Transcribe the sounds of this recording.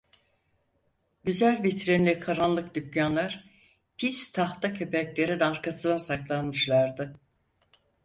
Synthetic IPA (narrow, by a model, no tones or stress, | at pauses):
ɟyzælʲvit̪ʰɾɛnlʲɛkʰaɾanlˠɯkd̪ycjanlˠaɾ̥ | pʰist̪ʰaht̪acʰepɛclʲe̞ɾid̪ɛaɾkʰasɯnasaklˠanmɯʃlˠaɾd̪ɯ